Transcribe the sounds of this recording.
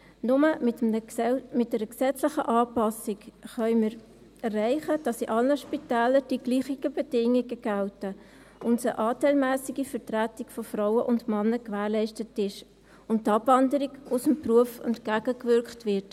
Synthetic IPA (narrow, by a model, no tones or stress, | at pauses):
nʊmə | mɪt̚dɛɾəksɛt͡slɪχəʔɑːpɑsɪkχœʏmɪːɾ | ɛrːæɪχəd̥ɑsiʔɑlnəʃpitæːləɾd̥iɡliːχiɡəbɛd̥ɪŋiɡəɡ̥altə | ʔʊntsəʔɑːtɛɪlmæːsiɡifəɾtɾætɪkfɔfɾaʊəʔʊndmɑnːəkvæːɾlɛɪʃtətɪʃ | ʊnttːɑbvɑndəɾiɡʊsəmpruəfɛntkæɡ̥əkvʏɾkχtvɪt